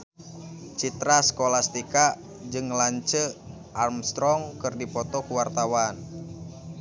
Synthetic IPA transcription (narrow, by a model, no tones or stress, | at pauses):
t͡ʃit̪ɾaskolast̪ika | d͡ʒɨŋlaɲt͡ʃə | ʔarmst̪ɾɔŋkɨrdipɔt̪ɔkuwart̪awan